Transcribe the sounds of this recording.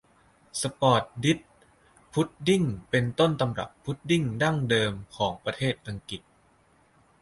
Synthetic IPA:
sa˧pɔː˨˩t̪̚di˦˥t̪̚ | pʰːu˦˥t̪̚di˥˩ŋpe˧nt̪o˥˩nt̪a˧mɾa̰˨˩pʰːu˦˥t̪̚di˥˩ŋda˥˩ŋdɤː˧mkʰɔː˩˦ŋpɾa˧t̪ʰeː˥˩t̪̚ʔːa˧ŋki˨˩t̪̚

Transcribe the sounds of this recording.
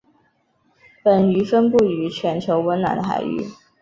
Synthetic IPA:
pə˨˩ny˧˥fə˥npu˥˩y˧˥t͡ɕʰɥɛ˧˥nt͡ɕʰjo˧˥ʊwə˧˥nna̰˧˥nd̪ə˩xa̰˨˩ɪy̰˥˩

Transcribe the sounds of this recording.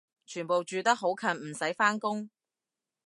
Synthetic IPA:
t͡ʃʰyː˨˩npo˨wt͡ʃyː˨t̪ɐ˥k̚ɦo˨˥wkʰɐ˨˩nm̩˨˩sɐ˨˥jfaː˥nkʊ˥ŋ

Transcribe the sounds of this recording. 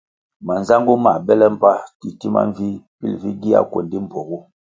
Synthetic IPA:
ma˨n˨za˦ŋɡu˦ma˨bɛ˦lɛ˦m̩˦pa˦ti˨ti˦ma̰˦ɱ˦vi˦pḭ˦lvi˦ɡi˦a̰˦ko̰˨ndi˦m˨pɔ˨ɣu˦

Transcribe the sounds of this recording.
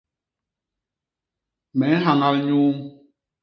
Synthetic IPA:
mɛ˨˦n˦ɦa˨ŋa˦lɲu˦m

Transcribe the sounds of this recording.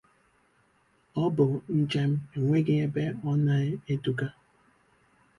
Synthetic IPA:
ɔ˦bʊ˨n̩˦t͡ʃe˦m̩˦e˨ŋʷe˦ɡe˦e˦be˦ɔ˦na˦e˦du˨ka˦

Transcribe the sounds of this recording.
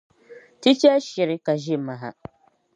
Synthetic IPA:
ti˦t͡ʃɛ˦ʃɪ˨ɾɪ˦ka˨ʒɪ˦˨ma˨ɦa̰˨

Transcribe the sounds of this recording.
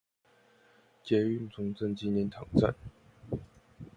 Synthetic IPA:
t͡ɕjɛ˧˥y˥˩nt͡sʊ˧˥ŋt͡sə˥˧nt͡ɕi˥njɛ˧˥nt̪ʰɑ˨˩ŋt͡sa̰˥˩˨n

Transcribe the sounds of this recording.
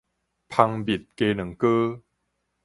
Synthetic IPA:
pʰa˧ŋbi˨˩t̪̚ke˧nə˨˩˦ŋkəː˦

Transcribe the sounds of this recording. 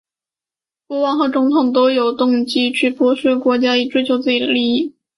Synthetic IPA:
pwɔ˧˥wɑ˥nxɤ˧˥t͡sʊ˧˥ŋt̪ʰʊ˨˩ŋt̪̬o˥ʊjo˨˩ʊt̪ʊ˥˩ŋt͡ɕi˥t͡ɕʰy˥˩pwɔ˧˥ʂə˥kwɔ˧˥t͡ɕja˥i˨˩ʈ͡ʂwe˥ɪt͡ɕʰjo˧˥ʊt͡sɹ̩˥˩t͡ɕi˨˩d̪ə̰˦li˥˩i˥˩

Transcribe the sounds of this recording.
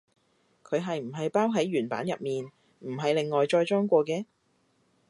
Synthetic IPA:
kʰɵ˨˧ɥɦɐ˨jm̩˨˩ɦɐ˨jpaː˥wɦɐ˨˥jɥyː˨˩npa̰ː˨˥njɐ˨p̚miː˨n | m̩˨˩ɦɐ˨jle˨ŋːɔː˨jt͡ʃɔː˧jt͡ʃɔː˥ŋkʷɔː˧kɛː˧

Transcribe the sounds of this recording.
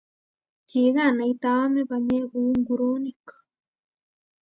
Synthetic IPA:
ci˨ɣa˦˨na˨it̪a˦me˦βaɲe˦βu˦ŋɡu˧ɾo˦nikḁ

